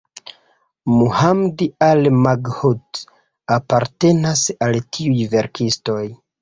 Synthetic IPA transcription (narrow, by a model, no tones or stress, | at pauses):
muhamdialmaɡhut | apaɾte̞nasaltʰiujve̞ɾkʰisto̞j